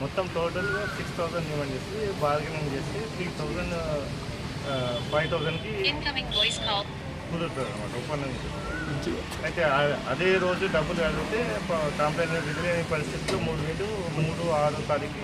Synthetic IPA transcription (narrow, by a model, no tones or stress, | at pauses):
mɔt̪ːɐmʈoːʈɐlsikst̪ʰɐwzɐnɳɖimaːɳd͡ʒeːsind̪ebaːɾɡɐnɐnt͡ʃe̞ːset̪ʰɾiːt̪ʰɐwzɐɳɖ | pʰɐjʋt̪ʰɐwzɐnkiikɐmiŋʋojskaː | ɡuɾut̪ːaɾɐnːɐma̰ːʈɐɔpːɐnːd̪ɐmit͡ʃesu | ɐjt̪e̞ɐd̪e̞ːɾo̞ːd͡ʒuɖɐbːuluʋɛɭɐɐt̪eːkaːmpeːniʋiɡ̪ɐlɐnipɐɾist̪ʰit̪ulːoːmuːɽumiːɽu | muːɽuaːɽut̪aːɾiki